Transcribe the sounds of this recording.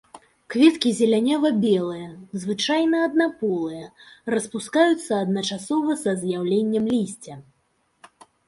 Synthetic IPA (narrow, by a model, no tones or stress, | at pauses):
kvʲɛt̪kʲizʲɛlʲanʲavɐbʲɛlˠɨjɐzvɨt͡ʂajnɐɐd̪napɔlˠɨjɐrɐspuskajut̪sːɐːd̪nɐt͡ʂasɔvɐsɐzjawlʲenʲːɐmlʲisʲt͡sʲɐ